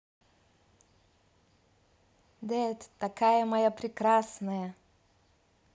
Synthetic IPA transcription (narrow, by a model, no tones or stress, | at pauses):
d̪ɛt̪ʲt̪ɐkajəmɐjapɾʲɪkɾasnəjə